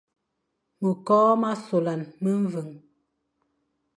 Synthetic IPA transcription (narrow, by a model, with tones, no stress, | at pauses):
mə˨kɔː˦ma˦so˨la˨nmə˦ɱ˦və˨ŋ